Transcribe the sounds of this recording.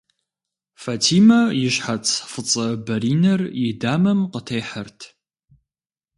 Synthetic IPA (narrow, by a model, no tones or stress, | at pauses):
faːtʰiːmɐjɪʃħat͡sʰfɨt͡sʼɐbɐɾiːnɐrjɪdaːmɐmqətʰejħərtʰ